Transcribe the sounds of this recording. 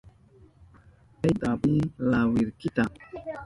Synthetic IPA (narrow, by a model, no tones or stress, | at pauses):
ajdabilawiɾkita